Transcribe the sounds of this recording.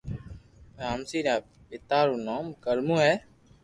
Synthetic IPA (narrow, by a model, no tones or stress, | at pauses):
pɾaːmsiːɾãː | pɪt̪aːɾuːnoːmkəlmũːɦɛː